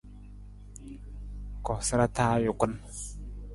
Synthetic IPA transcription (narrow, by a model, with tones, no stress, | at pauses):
kɔ˨sɨ˦ɾa˦taː˦jʊ˨ku˦n